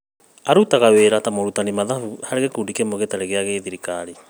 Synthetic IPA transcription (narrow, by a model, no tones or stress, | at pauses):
aɾutaɣaweɾatamoɾutanimaðafuhaɾeɣekuːndikemoɣetaɾeɣeaɣeðiɾikaɾi